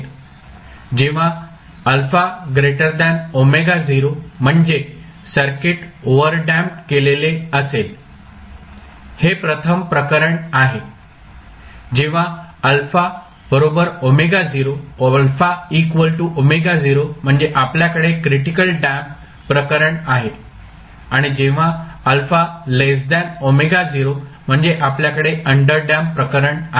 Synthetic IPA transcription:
t̪ | d͡ʑeʋ̤a | əlfaɡɾeʈəɾd̪anomeɡad͡ziɾom̤əɳd͡ze | səɾkeʈoʋəɾɖæmʈkeleleəsel | hepɾət̪ʰəmpɾəkəɾəɳaɦe | d͡ʑeʋ̤aəlfa | b̥əɾobəɾomeɡad͡ziɾoolfaikʋəlʈuʔomeɡad͡ziɾom̤əɳd͡zeʔapljakəɽekɾiʈikəlɖæm | pɾəkəɾəɳaɦe | aɽ̃id͡ʑeʋ̤aəlfalesd̪anomeɡad͡ziɾom̤əɳd͡zeʔapljakəɽeəɳɖəɾɖampɾəkəɾəɳa

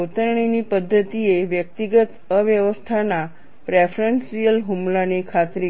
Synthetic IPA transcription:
t̪əɾɳ̃inipəd̪ʱːət̪ieʋjək̚t̪iɡət̪əʋjəʋəst̪ʰana | pɾefɾensijəlɦumlanikʰat̪ɾi

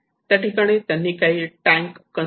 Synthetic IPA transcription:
t̪aʈikaɽ̃et̪anːikaiʈãŋkːə

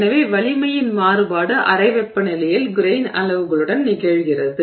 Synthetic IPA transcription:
nɐʋeːʋɐɭɪmɐjɪnmaːɾɯbaːɽɐʔɐ̰rɐɪʋɛpːɐnɪlɐjɪlɡʊɾeɪnɐ̰lɐʋɯɣɐɭɯɽɐnnɪɣɐɻɣɪrɐðɯ

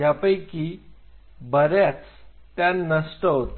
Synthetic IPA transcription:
apəjki | bəɾjat͡s | t̪ːjanəst̪əɦot̪

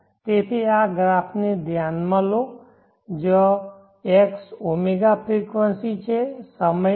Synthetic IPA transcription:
t̪eːt̪ʰiaɡɾaːpʰned̪ʱjaːnmãlo | d͡ʒo | eksomeɡapɾikʋənsit͡ʃʰesəmə

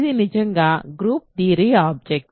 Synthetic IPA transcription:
ðinɪd͡ʒɐŋɡaːɡɾuːp̚d̪iːɾiaːb̚d͡ʒɛk̚

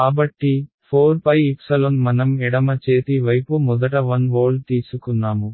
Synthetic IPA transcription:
kaːbɐʈːipʰoːɾpɐjipsɐlonmɐnɐmiɽɐmɐt͡ʃeːt̪iʋɐjpumɔd̪ɐʈɐʋɐnʋoːlt̪iːsukunːaːmu

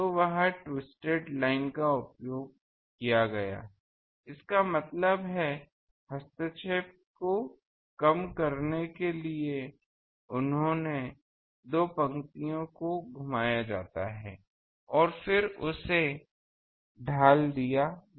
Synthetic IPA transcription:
t̪oʋɐɦãʈwɪsʈeːʈlaːɪnkaʊpjoːɡ̚ | kijaɡɐja̰ː | ɪskamɐt̪ləbɦɛ | hɐst̪ət͡ʃeːp̚ | ko | kɐmkɐɾnekelie | ʊnɦõne | d̪oːpɐ̃ŋkt̪ijõkoɡʱʊmaːjad͡ʒa̰ːt̪aɦɛ̰ː | ɔːɾfɪɾʊse | ɖʱaːld̪ija

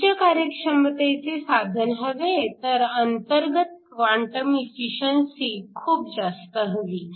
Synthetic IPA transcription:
t͡ʃakaɾjəkʂəmət̪et͡sesad̪ʱənɦəʋet̪əɾənt̪əɾɡət̪̚kʋaɳʈəmifiʃənsikʰuːp̚d͡zast̪əɦəʋiː

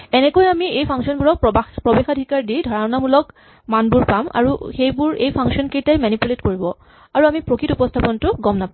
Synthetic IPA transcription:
ɛnɛkojamiejpʰaŋsɔnbuɹɔk̚pɹɔbexadʱikaɹdijdʱɔɹaʊnamulɔk | manbuɹpama̰ɹuxejbuɹejpʰaŋsɔnkejtajmanipuletkoɹibɔ | aɹuamipɹokitupɔstʰapɔntʊɡɔmnapa

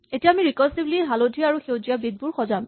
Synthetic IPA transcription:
etijaːmiɹikɔsibliɦalodʱijaaɹuxewd͡ʒijabid̪̚buɹxɔzam

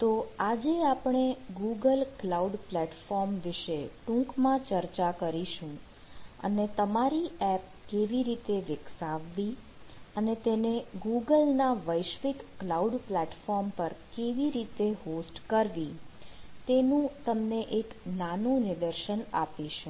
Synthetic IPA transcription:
t̪oad͡ʒeapɳ̃eɡuɡəlklauɖplɛʈfɔɾmʋɪʃeʈũkmãt͡ʃəɾt͡ʃakəɾiʃũ | ə̰net̪əmaɾiɛp̚ | keʋiɾit̪eʋɪksaʋːi | ənet̪eneɡuɡəlnaʋəjʃʋikːlauɖplɛʈfɔɾmpəɾkeʋiɾit̪eɦosʈkəɾʋi | t̪enũt̪əmneʔeknanũnɪd̪əɾʃənapiʃũ

